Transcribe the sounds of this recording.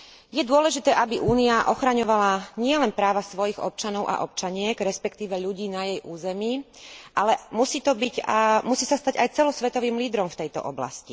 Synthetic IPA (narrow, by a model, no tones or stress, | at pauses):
jɛd̪ʊɔlɛʒit̪ɛːʔabiʔuːniaʔɔxɾaɲɔʋalaɲɪɛlɛnpɾaːʋasʋɔjiɣɔ̰p̚t͡ʃanɔʊʔa̰ʔɔp̚t͡ʃaɲɪɛɡɾɛspɛkt̪iːʋɛʎuɟiːnajɛjʔuːzɛmi | ʔalɛmusiːt̪ɔbiɟmusiːsast̪aɟajt͡sɛlɔsʋɛt̪ɔʋiːmliːd̪ɾɔmft̪ɛjt̪ɔ̰ʔɔ̰bla̰sci